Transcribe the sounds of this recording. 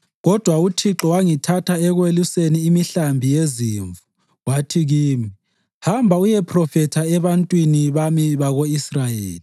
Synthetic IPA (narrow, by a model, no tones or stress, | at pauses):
ɣɔd̥ʱwautʰiǁɔwaŋitʰatʰaɛɣweluseniːmiɬambʱijeziːɱvu | watʰiɣiːmi | hambʱaujɛpʰrɔfɛtʰaɛβantʼwiniβamiβaɣoisrajeːli